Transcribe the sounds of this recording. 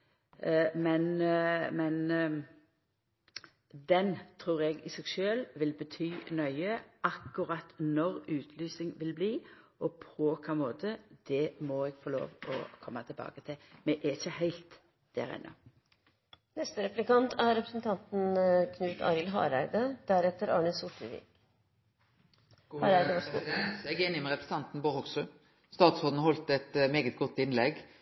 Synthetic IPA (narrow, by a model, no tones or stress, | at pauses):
mɛnmɛn | d̪ɛnt̪ʰɾuːʁɛɡɪsɛɡʃøːlʋɪlbət̪ʰyːnœʏəʔɑkːʊɾɑt̪nɔɾʉːt̪ʰlyːsɪŋʋɪlbliːʔɔpʰɔkʰɑːmoːt̪ʰəd̪̥ɛmɔɛɡfɔlo̰ːʋɔ̰kʰɔmːɑt̪ʰɪlbɑ̰ːɡət̪ʰɪlmɛʔɛçəhæɪlt̪ | d̪̥æ̰ɾɛ̰nʔɔ̰ | nɛst̪əɾɛplɪkɑnt̪ʰæɾɾɛpɾəsnt̪ʰɑnt̪n̩kʰnʉːt̪ʰɑ̰ɾɪlɦɑ̰ːɾæɪd̪əd̪̥æɾɛt̪ːəɾɑːɳəsʊʈəʋḭː | hɾæəd̪ɛnɛɡenɪmɛʁɛpɾəs̩ət̪ɑnt̪n̩boːʁhɔɡsʉ | st̪ɑːt̪sod̪n̩hɔlt̪ɛt̪meːɡət̪̚ɡɔt̪ːɪnlɛɡ